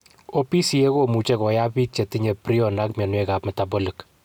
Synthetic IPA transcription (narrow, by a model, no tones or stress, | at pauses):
opisiekomut͡ʃekɔjapitt͡ʃetiɲepɾiɔnakmenwekapmɛtabolik